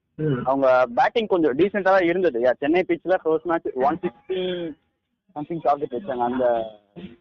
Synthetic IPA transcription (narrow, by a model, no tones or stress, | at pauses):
ɐʋɐŋɡɐbaːʈːɪ̃ŋɡ̚kɔɲd͡ʒɔ̃ɖiːsɛɳʈaːlãːɪɾɯnd̪ɐðɯjaːt͡ʃɛnːɐɪpiːt͡ʃːlakloːsmaːt͡ʃːɯʋɐnsɪksʈi | sɐmt̪ʰɪ̃ŋɡsaːɾɯʈːet͡ʃːaːŋɡɐːnd̪ɐ